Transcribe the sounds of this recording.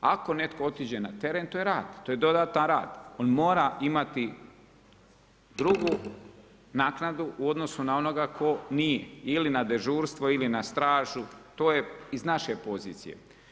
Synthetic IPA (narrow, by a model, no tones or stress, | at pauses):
ako̞ne̞t̪koot̪id͡ʑe̞nat̪e̞ɾent̪oːjeɾaːd̪̥t̪oːje̞d̪o̞d̪aːt̪anɾaːd̪o̞nmoːɾaimat̪i | d̪ɾuɡu | naːknad̪uʔuo̞d̪no̞sunao̞no̞ɡakʰo̞nijeilinad̪eʒuːɾst̪ʋoilinast̪ɾaːʒut̪oːjeiznaʃepo̞ziːt̪sḭjḛ